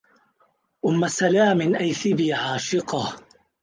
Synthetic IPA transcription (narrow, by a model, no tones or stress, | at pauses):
ʔʊmːasalaːmɪnʔajθɪbiːʕaːʃɪqɑh